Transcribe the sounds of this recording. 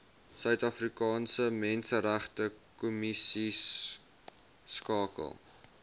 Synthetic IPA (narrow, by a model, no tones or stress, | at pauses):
sœɥtɐfrikɑːnsəmɛnsəɾæχtəkumisis | kɑːkə̰lˠ